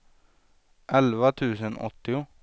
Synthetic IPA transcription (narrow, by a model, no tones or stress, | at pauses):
ʔɛlʋət̪ʰʉːsənɔ̰t̪ɪʊ